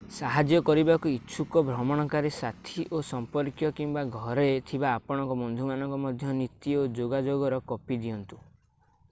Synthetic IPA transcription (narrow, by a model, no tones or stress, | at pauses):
saɦad͡ʒjɔkɔɾibakuitːʃʰukɔbʱɾɔmɔɽ̃ɔkaɾisat̪ʰiʔosɔmpɔɾkjɔkimbaɡʱɔɾet̪ʰibaːpɔɽ̃ɔŋkɔmɔnd̪ʱumanɔŋkɔmɔd̪ʱjɔnit̪iod͡ʒoɡad͡ʒoɡɔɾɔkɔpid̪iɔnt̪u̥